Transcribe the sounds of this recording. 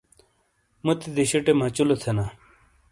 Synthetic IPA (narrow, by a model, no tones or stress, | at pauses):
mut̪id̪eɕiʈemãt͡ɕulot̪ʰena